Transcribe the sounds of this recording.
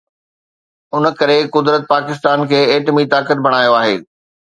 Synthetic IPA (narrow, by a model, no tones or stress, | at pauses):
ʊnəkɐɾekʊd̪ɾət̪̚paːkɪst̪aːnkʰeːeːʈmit̪aːkət̪̚bʱɐɽ̃aːjoaːɦḛː